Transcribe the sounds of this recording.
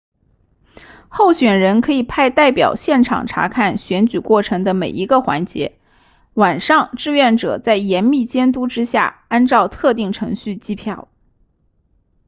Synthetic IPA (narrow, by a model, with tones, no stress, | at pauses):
xo˥˩ʊɕɥɛ˨˩nɻə˧˥nkʰɤ˧˥i˨˩pʰa˥˧ɪt̪a˥˩ɪpjɑ˨˩ʊɕjɛ˥˩nʈ͡ʂʰɑ̰˨˩ŋʈ͡ʂʰa̰˧˥kʰa˥˩nɕɥɛ˧˥nt͡ɕy˨˩kwɔ˥˩ʈ͡ʂʰɤ˧˥ŋd̪ə˧me˨˩ɪi˧˥ɡə˧xwa̰˧˥nt͡ɕjɛ̰˧˥ | wa˨˩nʂɑ˥˧ŋʈ͡ʂɻ̩˥˧ɥɛ˥˩nʈ͡ʂɤ̰˨˩t͡sa˥˩ɪjɛ˧˥nmi˥˩t͡ɕjɛ˥nt̪u˥ʈ͡ʂɻ̩˥ɕja̰˥˩a˥nʈ͡ʂɑ˥˧ʊt̪ʰɤ˥˧t̪i˥˩ŋʈ͡ʂʰɤ˧˥ŋɕy˥˩t͡ɕi˥pʰjɑ˥˩ʊ